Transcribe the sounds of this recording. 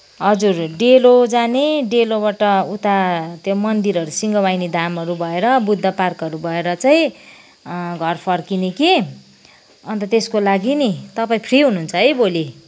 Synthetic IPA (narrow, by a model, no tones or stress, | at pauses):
ɦʌd͡zurɖelod͡zaneɖelobaʈʌut̪at̪jomʌnd̪iɾʌɾusiŋɡʌwajnid̪ʱamʌɾubʱʌeɾʌbud̪ʱːʌparkʌɾubʱʌeɾʌt͡saĩ | ɡʱʌrpʰʌrkineke | ʌnt̪ʌt̪eskolaɡinit̪ʌpaĩpʰriɦununt͡sʰʌʌjboli